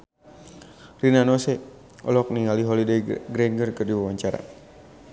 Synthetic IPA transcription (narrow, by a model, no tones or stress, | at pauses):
rinanɔsɛ | ʔɔ̰lɔk̚niŋaliɦɔlidejɡɾɛnɡərkɨrdiwawaɲt͡ʃaɾa̰